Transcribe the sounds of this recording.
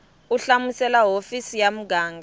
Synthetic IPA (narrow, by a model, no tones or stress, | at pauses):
uɬamusɛlaɦofisijam̩ɡaːŋɡʱa